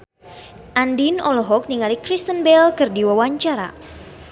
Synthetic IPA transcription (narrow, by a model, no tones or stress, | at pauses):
ʔandinɔlɔɦɔk̚niŋalikɾist̪ənbɛlkɨrdiwawaɲt͡ʃaɾa̰